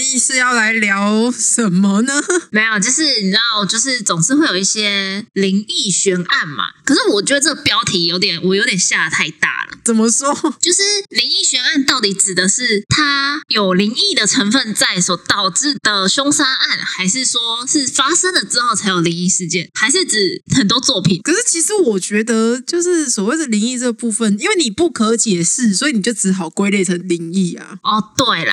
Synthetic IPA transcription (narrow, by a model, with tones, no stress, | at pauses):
i˥˧ʂɻ̩˥˧jɑ˥˩ʊla˧˥ɪljɑ˧˥ʊʂə˨˩nmə˦nə˧˦me˧˥ɪjɔ˨t͡ɕjo˥˧ʊʂɻ̩˥˩ni˨˩na˥˧t͡ɕjo˥˧ʊʂɻ̩˥˩t͡so˨˩ŋʂɻ̩˥˧we˥˩ɪjo˨˩ʊi˥˩ɕjɛ˦li˧˥ŋi˥˩ɕɥɛ˧˥nʔa˥˩nma̰˩kʰɤ˨˩ʂɻ̩˥˩wɔ˨˩t͡ɕɥɛ˧˥d̪ə˧ʈ͡ʂə˥˩ɡə˩pjɑ˥ʊt̪ʰi˨˩jo˧˥ʊt̪̬jɛ˨˩nwʔɔ˨˩jo˧˥ʊt̪jɛ˨˩nɕja˥˧˩t̪ʰa˥˧ɪt̪a̰˥˩lə̰˩t͡sə˨˩mə˦swɔ˥t͡ɕjo˥˧ʊʂɻ̩˥˩li˧˥ŋi˥˩ɕɥɛ˧˥na˥˧nt̪ɑ˥˩ʊt̪i˨˥ʈ͡ʂɻ̩˨˩d̪ə˦ʂɻ̩˥˩t̪ʰa˥jo˨˩ʊli˧˥ŋi˥˩d̪ə˩ʈ͡ʂʰə˧˥ŋfə˥˧nt͡sa˥˩ɪswɔ˧˥t̪ɑ˨˩ʊʈ͡ʂɻ̩˥˩d̪̥ə˩ɕo˥ŋsa˥na˥˩nxa˧˥ɪʂɻ̩˥˩swɔ˥ʂɻ̩˥˩fa˥sə˥ŋd̪ə˨ʈ͡ʂɻ̩˥xo˥˩ʊt͡sʰa˧˥ɪjo˨˩li˧˥ŋi˥˩ʂɻ̩˥˧t͡ɕjɛ˥˧nxa˧˥ɪʂɻ̩˥˩ʈ͡ʂɻ̩˨˩xə˨˩nt̪wɔ˥t͡swɔ˥˩pʰi˨˩˦nkʰə˨˩ʂɻ̩˥˩t͡ɕʰi˧˥ʂɻ̩˧˥wɔ˨˩t͡ɕɥɛ˧˥d̪ə˧t͡ɕjo˥˧ʊʂɻ̩˥˩swɔ˨˩we˥˩ɪd̪ə˨li˧˥ŋi˥˧ʈ͡ʂɤ˥˩ɡə˩pu˥˩fə˨ni˥nwe˥˩ɪni˨˩pu˥˩kʰɤ˧˦t͡ɕjɛ˨˩ʂɻ̩˥˩swɔ˧˥i˨˧ni˨˩t͡ɕjo˥˩ʈ͡ʂɻ̩˧˥xɑ˨˩ʊkwe˥ɪle˥˩ɪʈ͡ʂʰə˧˥ŋli˧˥ŋi˥˩ɐ̰˩ɔ˥˨˩t̪we˥˩ɪlə̰˩